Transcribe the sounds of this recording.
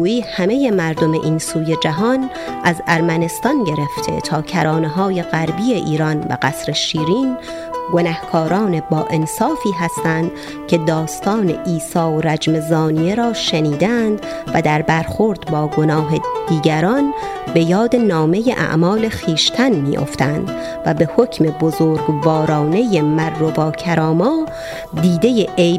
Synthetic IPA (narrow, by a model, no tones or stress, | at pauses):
uːiːhæmeje̞mæɾd̪o̞me̞̰ʔiːnsuːje̞d͡ʒæɦɒn | ʔæzæɾmæne̞st̪ɒnɟe̞ɾe̞ft̪ʰe̞̰t̪ʰɒːcʰæɾɒːneɦɒːje̞ɣæɾbije̞ʔiːɾɒnbæ̰ɡæsɾeʃiːɾiːn | ɡo̞næhkʰɒːɾɒːne̞bɒːʔe̞nsɒːfiːɦæst̪ænd̪̥ | cʰe̞d̪ɒːst̪ɒːne̞̰ʔiːsɒːoɾæd͡ʒme̞zɒːnie̞ɾɒːʃeniːd̪ænd̪ | væd̪æɾbæɾxoɾd̪bɒːɡonɒːɦe̞d̪̥iːɟæɾɒn | be̞jɒːd̪e̞nɒːme̞jeʔæ̰ʔmɒːle̞xiːʃt̪ʰænmḭːʔo̰ft̪ænd̪ | væbe̞hocʰme̞bozoːɾɡbɒːɾɒːnejemæɾːobɒːcʰæɾɒːmɒː | d̪iːd̪e̞jeʔej